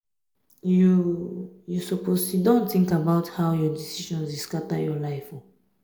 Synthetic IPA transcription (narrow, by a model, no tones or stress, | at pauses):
ju | jusɔposidõntθĩŋkabaʊthaʊjɔdisiʃɔ̃nziskatajɔlaɪfɔ